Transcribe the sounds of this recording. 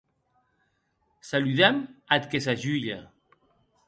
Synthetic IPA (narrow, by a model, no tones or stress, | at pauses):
salyðɛmat̪kesaʒyʎa